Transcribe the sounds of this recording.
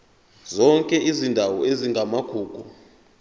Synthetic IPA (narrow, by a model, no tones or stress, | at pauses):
zɔŋkʼɛʔizindʱawɔeziŋɡʱamaɡ̥ʱuːku